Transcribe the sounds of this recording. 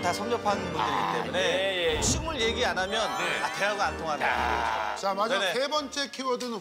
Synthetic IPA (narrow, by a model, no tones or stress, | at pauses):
tasʰʌŋd͡ʑʌpʰannbundɯɾiɡit͈e̞munejeɕʰimɯɭje̞ɡianamjʌnateaɡɯantʰoŋɦana̰t͡ɕamad͡ʑesebʌnt͡ɕ͈e̞kʰiwʌdɯn